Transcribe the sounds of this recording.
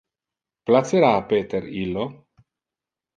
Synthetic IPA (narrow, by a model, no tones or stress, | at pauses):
plat̪seɾaːpeːt̪eɾilːo